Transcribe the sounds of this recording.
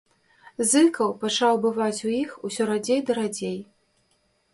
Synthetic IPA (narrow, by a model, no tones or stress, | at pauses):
zɨkɐwpat͡ʂawbɨvat͡sʲujixusʲɔɾad͡zʲejd̪ɐɾad͡zʲej